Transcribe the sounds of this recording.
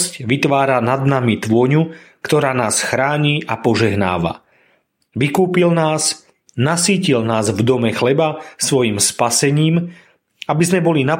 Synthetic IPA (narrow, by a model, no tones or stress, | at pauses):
scʋit̪ʋaːɾanad̪namit̪ʋʊɔɲu | kt̪ɔɾaːnaːsxɾaːɲiːʔapɔʒɛɦna̰ːʋa̰ | ʋikuːpilnaːs | nasiːcilnaːzvd̪ɔmɛxlɛbasʋɔjimspasɛɲiːm | abizmɛbɔlina